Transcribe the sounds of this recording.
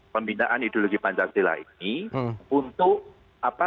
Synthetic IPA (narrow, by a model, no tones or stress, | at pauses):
pəmbinaʔanid̪̥oloɡ̥ipaɲt͡ʃaksila̰ḭniunt̪ʊʔ | apa